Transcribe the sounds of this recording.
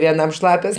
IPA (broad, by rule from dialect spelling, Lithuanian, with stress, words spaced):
ʋʲiɛˈnɐm ˈʃlˠɑːpʲoːs